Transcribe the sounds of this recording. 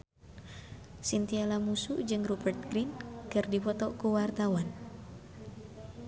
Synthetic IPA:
sint̪ialamusud͡ʒɨŋrubərt̪̚ɡɾinkɨrdipɔt̪ɔkuwart̪awan

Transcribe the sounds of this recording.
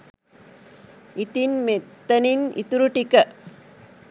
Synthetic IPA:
ɪt̪ɪnmet̪ːɐnɪnɪ̰t̪uɾuʈːɪkːɐ

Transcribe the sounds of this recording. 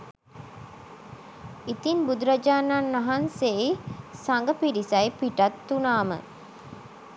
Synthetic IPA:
it̪inbud̪uɾɐd͡ʒaːnaːnːɐɦanseisaŋɡəpiɾisɐjpiʈɐt̪ːunaːmə̰

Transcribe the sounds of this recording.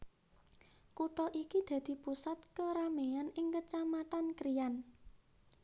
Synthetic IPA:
kuʈɔʔikid̪̥ä̤d̪̥i̤pusat̪̚kəɾameanɪŋkət͡ʃamat̪ankɾijan

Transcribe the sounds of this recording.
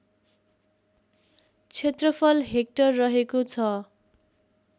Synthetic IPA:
t͡sʰet̪rʌpʰʌlɦek̚ʈʌrːʌɦekot͡sʰʌ

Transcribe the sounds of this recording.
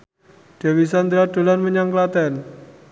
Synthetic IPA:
d̪̥a̤wis̬and̪ɾaɖ̥o̤lanməɲaŋklat̪ɛn

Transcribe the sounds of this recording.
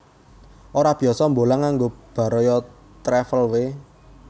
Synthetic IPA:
ʔoɾab̥i̤ɔsɔmbolaŋaŋɡob̥ä̤ɾɔjɔ | t̪ɾɛfəlwe

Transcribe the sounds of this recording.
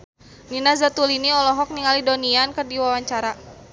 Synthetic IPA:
ninazat̪uliniɔlɔɦɔk̚niŋalidoniankɨrdiwawaɲt͡ʃaɾa

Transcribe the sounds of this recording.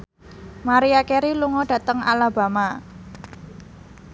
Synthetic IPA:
maɾiakeɾiluŋɔɖ̥ä̤t̪əŋalaba̤ma

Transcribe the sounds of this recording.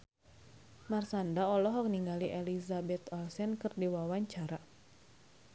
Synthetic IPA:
marsandaɔlɔɦɔk̚niŋɡaliʔɛlizabɛt̪ɔlsɛnkɨrdiwawaɲt͡ʃaɾa

